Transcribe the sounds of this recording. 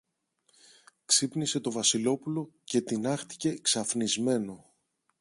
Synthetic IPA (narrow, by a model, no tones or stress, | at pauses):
ksipnise̞t̪o̞vɐsilo̞pulo̞ce̞t̪inɐxt̪i̥ce̞ksɐfnizme̞no̞